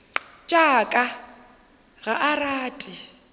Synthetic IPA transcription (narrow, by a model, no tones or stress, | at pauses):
t͡ʃʼakʼa | ɣaʔaraːtʼɪ